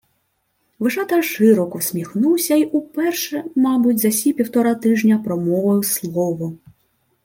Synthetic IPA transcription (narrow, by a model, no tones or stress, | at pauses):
ʋɪʒɑt̪ɐʃɪɾɔkɔsʲmʲixnuwsʲɐiʔupɛrʃɛmɑbʊtʲzɐsʲipʲiwt̪ɔɾɑt̪ɪʒnʲɐpɾɔmɔʋɐjʊslˠɔʋʊ